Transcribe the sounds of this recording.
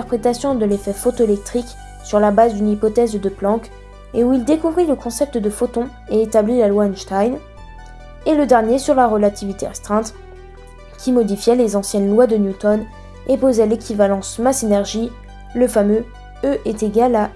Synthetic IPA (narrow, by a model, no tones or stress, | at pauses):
t̪ɛʁpχet̪asjɔ̃d̪əlefɛfot̪oelɛk̚t̪χik | syʁlabazd̪ynipɔt̪ɛzd̪əplɑ̃k | euild̪ekuvʁiləkɔ̃sɛp̚t̪d̪əfot̪ɔ̃ | eːt̪ablilalwanʃt̪ajn | eləd̪ɛʁnjesyʁlaʁəlat̪ʰivit̪eʁɛst̪χɛ̃t̪ | kʲimɔd̪ifjɛlezɑ̃sjɛnlwad̪ənjut̪ɔn | epozɛlekʲivalɑ̃smasenɛʁʒi | ləfamø | øʔet̪eɡala